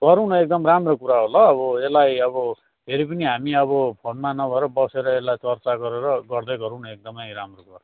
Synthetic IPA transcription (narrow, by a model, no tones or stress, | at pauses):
ɡʌɾuwnʌek̚d̪ʌmramrokuɾaɦolʌːβʌelajʌβʌ | pʰeɾipʌniɦamiʌβʌpʰonmanʌbʱʌeɾʌbʌseɾʌelajt͡sʌrt͡saɡʌɾeɾʌɡʌrd̪ʌjɡʌɾuwnʌek̚d̪ʌmʌjramrokuɾa